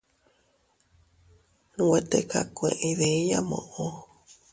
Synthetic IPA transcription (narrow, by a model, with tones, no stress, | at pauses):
nũ˧we˧t̪e˦ka˨kʷḛ̃˧˨ʔẽ˧ðe˨i˦ja˦mõ̰˨ʔo˦